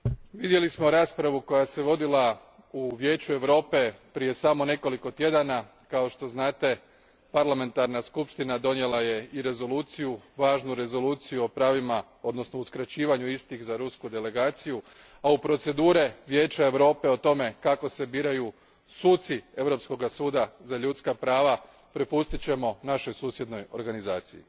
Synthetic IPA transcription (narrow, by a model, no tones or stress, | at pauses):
ʋid̪je̞lismo̞ɾaːspɾaʋuko̞jase̞ʋo̞d̪ilˠa | uʋje̞ːt͡ɕue̞ʋɾo̞ːpe̞pɾije̞samo̞ne̞ko̞liko̞t̪je̞d̪ana | kao̞ʃt̪o̞znaːt̪e̞ | paɾlame̞nt̪aɾnaskupʃt̪inad̪o̞nje̞lˠaje̞iɾe̞zo̞lˠuːt̪sijuʋaːʒnuɾe̞zo̞luːt̪sijuo̞pɾaːʋima | o̞d̪no̞sno̞uskɾat͡ɕiːʋaɲuist̪ixzaɾuskud̪e̞le̞ɡaːt̪siju | aupɾo̞t̪se̞d̪uːɾe̞ʋje̞ːt͡ɕae̞ʋɾo̞ːpe̞o̞t̪o̞me̞kako̞se̞biːɾaju | suːt̪sie̞ʋɾo̞psko̞ɡasuːd̪azaʎut̪skapɾaːʋa | pɾepust̪it͡ɕe̞mo̞naʃo̞jsuːsje̞d̪no̞jo̞̰ɾɡanizaːt̪sijḭ